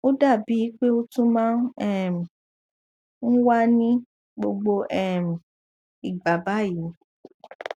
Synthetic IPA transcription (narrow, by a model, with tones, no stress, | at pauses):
o˦da˦˨bi˨˦k͡pe˦o˦tũ˦mãː˦nɛ˦˨m˨ | n̩˦wa˦nĩ˦ | ɡ͡bo˧ɡ͡bo˧ʔɛ˦˨m̩˨ | i˨ɡ͡ba˨ba˨˦ji˨˦